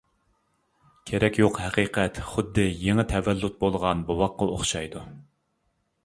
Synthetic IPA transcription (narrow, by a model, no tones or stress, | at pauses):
kʲʰeɾɛkʲjoqhɛqiqʰɛt̪χʊd̪ːɨjeŋɨt̪ʰɛvɛlːut̪̚bolˠʁɑnbowɑqːɑoχʃɑjd̪u